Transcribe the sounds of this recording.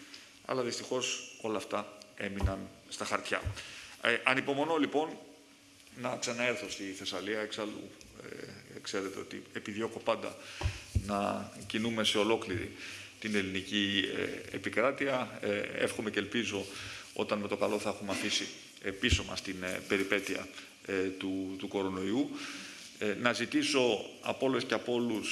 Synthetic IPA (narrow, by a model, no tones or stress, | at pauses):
ɐ̰lɐðist̪ixo̞so̞lɐːft̪ɐe̞minɐnst̪ɐxɐɾt̪çɐ̰ | ʔɐnipo̞mo̞no̞lipo̞nː | ɐksɐnɐe̞ɾθost̪iθe̞sɐliɐeksɐlṵekse̞ɾe̞t̪eo̞t̪ḭepiðjo̞xo̞pɐnd̪ɐ̰nɐcinume̞se̞o̞lo̞kliɾḭt̪ine̞linicḭ | ḛpikɾɐt̪iɐe̞̰fxo̞me̞ce̞ːlpizo̞o̞̰t̪ɐnme̞t̪o̞kɐlo̞θɐexumeɐfisi | episo̞mɐ̰st̪inbe̞ɾipe̞t̪iɐ̰ | t̪ut̪uko̞ɾo̞no̞iu | nɐzit̪iso̞ɐ̰po̞le̞sceɐpo̞lus